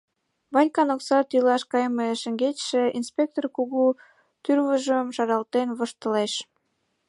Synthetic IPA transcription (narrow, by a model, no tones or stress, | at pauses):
βɑnʲkɑnoksɑt̪ylɑʃkɑjmeʃə̆ŋɡetʃĕinspʲek̚t̪orkuɣu | t̪yrβəʒəmʃɑɾɑlt̪enβoʃt̪ə̆leʃ